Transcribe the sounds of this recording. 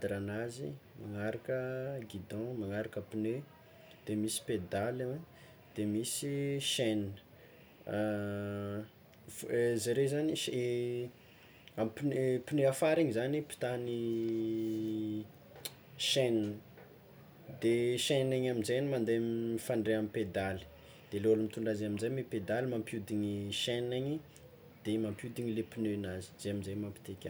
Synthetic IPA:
d̪ɾanazḭmaŋaɾakəɡid̪ɔ̃maŋaɾakəpinø | d̪̥emisi̥ped̪alewe | d̪̥emisiʃennə̥ | zaɾezaniʃ | ampinepineafaɾiɲizanipi̥t̪ani | ʃɛnini | d̪eʃɛnaɲaminzajnimand̪emfaɳɖ͡ʐeamiped̪ali̥ | d̪̥eleolumit̪uɳɖ͡ʐazaminzajmeped̪alimampjud̪iɲiʃɛnaɲi | d̪̥emampjud̪iɲilepinønazi̥zeaminzajmampi̥t̪ekʲa

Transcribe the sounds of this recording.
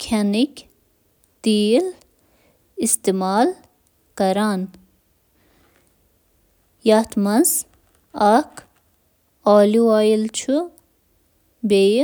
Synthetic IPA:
kʰanik | t̪iːl | ist̪emaːl | kɐɾaːn | jaːt̪mɐz | ɐkʰ | aːliwaːjilt͡ʃʰu | be

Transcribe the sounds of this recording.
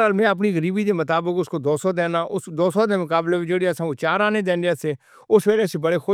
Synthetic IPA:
aːlmɛ̃ːəp̬niːɣəɾiːbiːd̪eːmət̪aːbəkʊskoːd̪oːsoːd̪eːnaːʔʊsd̪oːsod̪eːmʊkaːbleɪd͡ʒeːɽeasãːot͡ʃaːɾaːned̪ẽːndaseː | ʊsʋeːlesebəɽeːxʊ

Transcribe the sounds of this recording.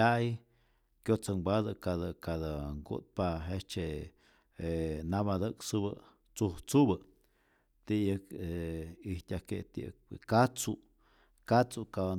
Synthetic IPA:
aj | kjot͡səŋbad̪əkad̪əkad̪əŋɡṵt̪̚paɦet͡ʃe | enabad̪əkt͡subə̰ | t͡suht͡subə | t̪ijəkeiht̪ʲaket̪ḭkat͡su | kat͡suka

